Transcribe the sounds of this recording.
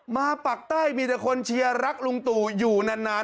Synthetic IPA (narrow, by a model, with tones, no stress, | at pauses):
maː˧pa˨˩k̚t̪aː˥˩jmiː˧t̪a˨˩kʰo˧nt͡ɕʰi˧ɐɾa˦˥k̚lu˧ŋt̪uː˨˩juː˨˩na˧nːaː˦˥